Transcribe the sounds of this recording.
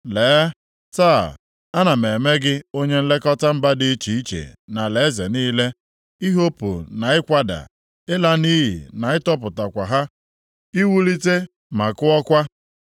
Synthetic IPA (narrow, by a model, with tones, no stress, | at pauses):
leː˨˦ | taː˦˨ | a˦na˨me˨me˦ɡɪ˦o˦ɲe˦n̩˦le˦kɔ˦ta˦m̩˦ba˦dɪ˦t͡ʃi˨i˦t͡ʃḛ˨na˨le˨˦ze˨niː˦le˦ | i˦ɦo˦pṵ˨na˨ɪ˦kʷa˦da̰˨ | ɪ˦la˦ni˦ɦḭ˨na˨ɪ˦tɔ˦p̬ʊ˨ta˨kʷa˨ɦa˦ | i˦wu˦li˦te˦ | ma˨kʊ˦ɔ˦kʷa˦